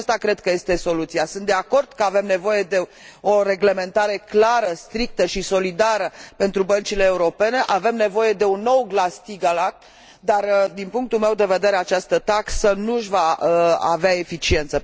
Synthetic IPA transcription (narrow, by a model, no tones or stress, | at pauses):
st̪akɾe̞d̪̚kəje̞st̪e̞so̞lut̪siasɨnt̪d̪e̞ako̞rd̪̥kəave̞mne̞vo̞je̞d̪e̞ | oɾe̞ɡle̞me̞nt̪aɾe̞klaɾəst̪ɾik̚t̪əʃiso̞lid̪aɾəpe̞nt̪ɾubənt͡ʃile̞ːuɾo̞pe̞ne̞ʔave̞mne̞vo̞je̞d̪e̞unːo̞wɡlast̪iɡalak̪̚ | d̪ard̪inpuŋk̚t̪ulmewd̪e̞ve̞d̪e̞ɾe̞at͡ʃast̪ət̪aksənuʃvaəa̰veae̞fit͡ʃie̞nt̪sə